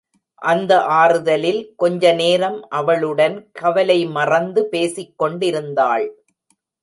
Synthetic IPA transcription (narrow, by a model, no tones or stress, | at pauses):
ʔɐnd̪ɐʔaːɾɯðɐlɪlkɔɲd͡ʒɐneːɾɐmʔɐʋɐɭɯɽɐnkɐʋɐlɐɪmɐrɐnd̪ɯpeːsɪkːɔɳɖɪɾɯnd̪aːɭ